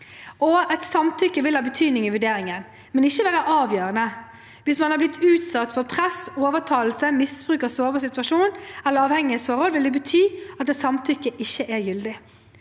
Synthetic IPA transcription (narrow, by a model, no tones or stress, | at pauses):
ɔɛt̪sɑmt̪ʰʏkːəʋɪlhɑːbət̪ʰyːd̪nɪŋɪʋʉɖeːɾɪŋən | mɛnɪçːəʋæːɾəʔɑːʋjøːʁənə | ʋɪsmɑnhɑblɪt̪ʰːʉːt̪sɑt̪ːfɔɾpʰʁɛsoːʋəʁt̪ʰɑːl̩səmɪsb̥ʁʉːkəsoːbəsɪt̪ʉɑʂuːnɛlːəɾɑːʋhɛŋːɪəsfɔɾhɔlʋɪlɛbət̪ʰyːɑt̪ːɛt̪sɑmt̪ʰʏkːəʔɪçːəʔɛɾjʏld̪ɪ